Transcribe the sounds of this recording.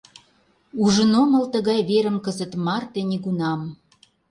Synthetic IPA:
uʒə̆nomə̆lt̪əɣɑjβeɾə̆mkəzə̆t̪mɑrt̪enʲiɣunɑm

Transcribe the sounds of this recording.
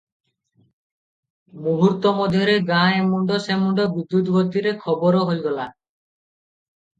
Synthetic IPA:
muɦuɾt̪ːɔmɔd̪ʱjɔɾeɡãemuɳɖɔsemuɳɖɔbud̪ːut̪ɡot̪ːiɾekʰɔbɔɾoɦojɡɔla

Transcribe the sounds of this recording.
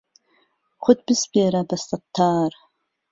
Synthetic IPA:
χʷʊtʰb̥ɨsbiaɾabastʼatʰːaːr

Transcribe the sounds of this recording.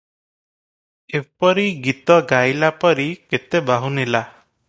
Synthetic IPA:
epɔɾiɡit̪ɔɡajlapɔɾiket̪ebaɦunila

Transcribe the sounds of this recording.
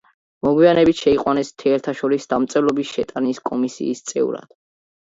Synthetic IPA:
mɔɡwianɛbit̪ʃɛiqʼwanɛst̪ʰɛɛɾt̪ʰaʃɔɾisd̪amt̪sʼɛvlˠɔbisʃɛt̪ʼaniskʼɔmisḭːst̪sʼɛ̰ṵɾa̰d̪̥

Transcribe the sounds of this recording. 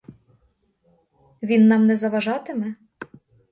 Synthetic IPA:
ʋʲinːɑmnɛzɐʋɑʒɑt̪ɘme

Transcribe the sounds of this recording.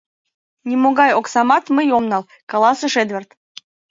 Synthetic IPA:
nʲimoɣɑjoksɑmɑt̪məjomnɑl | kɑlˠɑsɤʃed̪vert̪

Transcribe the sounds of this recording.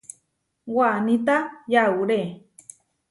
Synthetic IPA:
wanĩt̪ajauɾe

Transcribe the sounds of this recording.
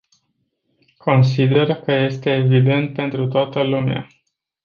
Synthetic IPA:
kʰo̞ns̬id̪e̞rkəje̞st̪e̞ːvid̪e̞nt̪̚pe̞nt̪ɾut̪oat̪əlumea̰

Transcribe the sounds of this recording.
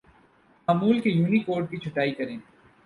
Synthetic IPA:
maːmuːlkejuːnikoːɾɖ̚kit͡ʃʰʊʈaːikɐɾẽː

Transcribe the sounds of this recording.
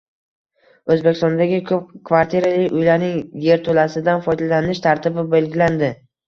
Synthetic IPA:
ɵzbekʲʰːɪst̪ɔnd̪aɡʲɪkʰɵp̚kʰvaɾt̪ʰiɾalɪʊjlaɾnɪŋje̞ɾt̪ʰolasɪd̪anfɒjd̪alanɪʃt̪ʰaɾt̪ʰɪbɪbe̞lɡʲɪland̪ɪ

